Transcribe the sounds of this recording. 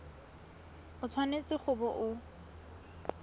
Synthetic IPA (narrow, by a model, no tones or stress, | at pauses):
ʊt͡sʰwanet͡sʼɪχʊbɔʔʊ